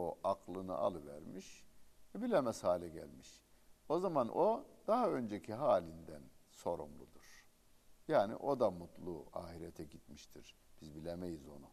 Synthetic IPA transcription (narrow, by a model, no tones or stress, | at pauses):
o̞ʔakʰlˠɯnɯ̰ʔa̰lˠɯvæɾmiʃɛbilʲemɛshaːlʲɛɟæ̰lʲmiʃ | o̞zamanʔod̪aɦaø̞nd͡ʒecʰiɦaːlʲind̪ænso̞ɾṵmlˠud̪uɾ̥ | jaːnḭʔo̞d̪amut̪ʰlˠua̰ːhiɾɛt̪ʰɛɟit̪miʃt̪ʰiɾ̥b̥izbilʲemejizo̞̰nu